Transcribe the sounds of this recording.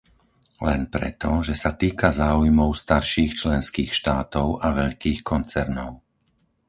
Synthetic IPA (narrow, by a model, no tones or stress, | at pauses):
lɛ̰npɾɛ̰t̪ɔʒɛsat̪iːkazaːujmɔʊst̪aɾʃiːxt͡ʃlɛnskiːxʃt̪aːt̪ɔʊʔaʋɛʎkiːxkɔnt͡sɛɾnɔʊ